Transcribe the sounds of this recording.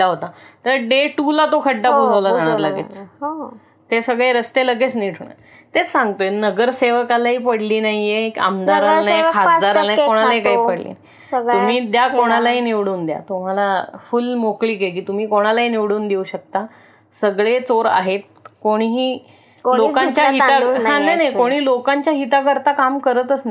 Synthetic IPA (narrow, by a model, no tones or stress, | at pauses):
aɦot̪at̪əɾɖeʈulat̪okʰəɖːapod͡zəʋlad͡zʱaɽ̃aɾlaɡḛt͡s | t̪esəɡɭeɾəst̪eləɡet͡sniʈʰuɳa̰ | t̪et͡ssãŋɡt̪onəɡəɾseʋkalaɦiːpəɽliːnaɦijeka̰md̪aɾalnakʰad̪aɾalajkoɽ̃alaikaɦipəɽlḭːnai | ɡum̤iːd̪jakoɽ̃alaɦiːniʋɽuːnd̪ja̰t̪um̤alafulmokliːkekiːt̪um̤iːkoɽ̃alaɦiːniʋɽuːnd̪euːɕək̚t̪a | səɡɭet͡soɾa̰ɦet̪̚ | koɽ̃ɦiː | lokãɲt͡ɕjaɦit̪aɦãnajnajkoɽ̃iːlokãɲt͡ɕjaɦit̪akəɾt̪akamkəɾət̪əsna